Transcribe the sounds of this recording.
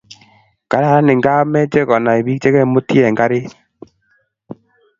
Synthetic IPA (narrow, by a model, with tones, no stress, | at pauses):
ka˨ɾa˨ɾa˦ne˨ŋɡa˦mɛ˦t͡ʃɛ˦ɣɔ˨na˨e˨βi˦k̚t͡ʃɛ˦ɣɛ˦˨˦mo˦ti˦ɛ˨ŋɡa˦ɾe˦